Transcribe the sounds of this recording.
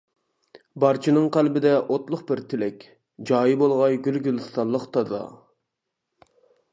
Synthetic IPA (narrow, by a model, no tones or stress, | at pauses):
bɑɾt͡ʃʰinɨŋqʰælbɪd̪ɛʔot̪lˠʊχbɪɾt̪ʰɪlɛkʲ | d͡ʒɑːjibolˠʁɑjɡʲylɡʲylɨst̪ɑnlˠːəqt̪ʰɑzɑ̰